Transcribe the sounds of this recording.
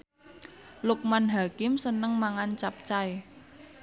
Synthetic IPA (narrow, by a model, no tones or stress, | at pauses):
luk̚manɦakɪmsənəŋmaŋant͡ʃap̚t͡ʃae